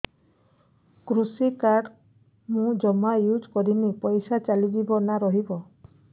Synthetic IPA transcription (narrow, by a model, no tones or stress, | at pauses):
kɾusikaɾɖ | mũd͡ʒɔmajud͡ʒkɔɾinipɔjsat͡ʃalibibɔnaɾɔɦibɔ